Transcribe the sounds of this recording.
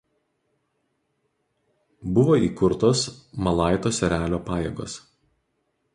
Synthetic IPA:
bʊʋoːiːkʊɾt̪oːsmɐlˠɑˑɪt̪oːsʲɛɾʲæːlʲoːpɑːjḛːɡo̰ːs

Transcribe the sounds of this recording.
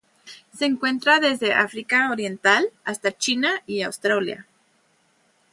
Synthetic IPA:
se̞ːŋkwe̞nt̪ɾaðe̞zðe̞ʔa̰fɾikaoɾje̞nt̪alast̪at͡ʃinaiawst̪ɾalja̰

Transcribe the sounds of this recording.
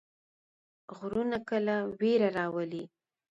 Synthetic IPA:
ɣɾunakəlaweɾaɾɑwəli

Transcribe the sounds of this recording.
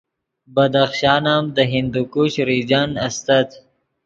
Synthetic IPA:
bɐd̪axʃɑːnaːmd̪əɦɪnd̪ukuɕɾid͡ʒanɐst̪at̪

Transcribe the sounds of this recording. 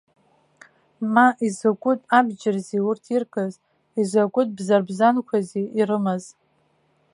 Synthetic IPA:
maʔizakʷʼʊtʼabd͡ʒɪrziurtʰirkʼaz | izakʷʼʊt̚ʼbzarbzankʷʰaziirɨmaz

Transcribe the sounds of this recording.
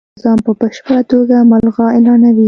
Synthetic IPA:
zɑmpəbəʃpəɽat̪oɡamalɣɑelɑnawi

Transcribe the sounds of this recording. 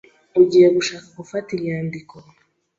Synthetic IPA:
uɟieβuʃakakufatiljɲaːndiko

